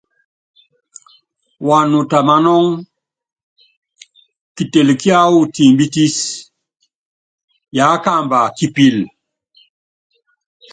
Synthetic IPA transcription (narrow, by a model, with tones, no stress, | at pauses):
wa˨nu˨ta˨ma˦nɔ˦ŋ | ki˨te˨lki˦a˦wu˦ti˨mbi˦ti˦s | ja˨˦ka˦mba˨ki˨pi˦l